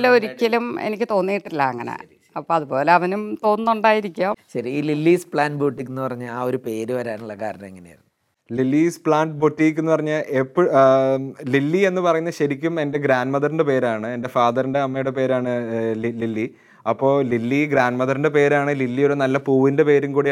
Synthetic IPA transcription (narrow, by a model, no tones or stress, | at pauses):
lːeoɾikʲːɐlumḛnikʲːɨt̪o̞ːnːijiʈːilːɐ̰ɐŋːɐnḛ | ɐpːoːɐðubo̞ːle̞ɐʋɐnumt̪o̞ːnːuɳɖaːjiɾikʲːuaːɕɐɾiililːiːspɭaːnboːʈːikʲːunːupɐrɐɲːalaːo̞ɾupe̞ːɾuʋɐɾaːnuɭːɐkaːɾjɐnɐmeŋːɐnejḭrnːu | lilːiːspɭaːnɖboʈːijik̬ʲːunːupɐrɐɲːalepː | lilːie̞nːɨpɐrɐjunːɐɕɐɾikʲːume̞nde̞ɡɾaːnmɐðɐɾinɖepe̞ːɾaːɳɨe̞nde̞faːðɐɾinde̞ɐmːɐjuɽe̞pe̞ːɾaːɳɨililːi | ɐpːo̞ːlilːiɡɾaːnmɐðɐɾinde̞pe̞ːɾaːɳɨlilːijo̞ɾunɐlːɐpuːʋinde̞pe̞ːɾumkuːɽi